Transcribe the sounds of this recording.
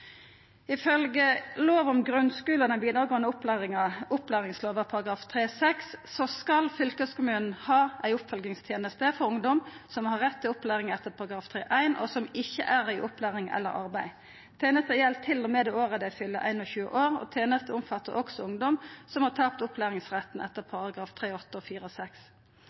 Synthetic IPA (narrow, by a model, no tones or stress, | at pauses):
ɪfœlɡəloːʋɔmɡɾʉnskʉːlɔd̪ɛnbiːd̪ɾɑːɡoːənəʊplæːʁɪŋɑʊplæːʁɪŋsloːʋəpʰɑʁɑɡɾɑːft̪ʰʁeːsɛksːɔskɑlfʏlkəskʊmʉːnn̩hɑːʔæɪʊpfœlɡnɪŋst̪ʰjeːnəst̪əfɔɾʊŋd̪ɔmsɔmhɑʁɛt̪ːɪʊplæːʁɪŋɛt̪ːəʁpʰɑʁɑɡɾɑːft̪ʰʁeːʔæɪnɔ̰sɔmɪçːə̰ʔæʁɪʔʊplæːʁɪŋɛ̰lːə̰ɾɑ̰ʁbæɪ | t̪ʰæːnəst̪əjɛlt̪ʰɪlːɔmɛd̪ɛoːʁəd̪ɛfʏlːə̰ʔæ̰ɪnɔçʉːə̰ʔoːʁɔ̰t̪ʰjeːnəst̪əʊmfɑt̪ːəɾʔɔksɔʊŋd̪ɔmsɔmhɑt̪ʰɑːpt̪ʊpʰlæːʁɪŋsʁɛt̪n̩ʔɛt̪ːəpʰɑʁɑɡʁɑːft̪ʰʁeːɔt̪ːəɔfiːʁəɔsɛks